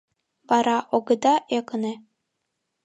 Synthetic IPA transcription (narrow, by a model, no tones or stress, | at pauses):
βɑɾɑʔoɡɤ̆d̪ɑʔekɤ̆ne